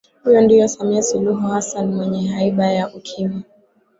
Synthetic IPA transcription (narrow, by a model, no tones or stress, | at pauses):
hijɔndijɔsamiasuluɦuhasanmwɛɲɛɦaiɓajaʔukʰima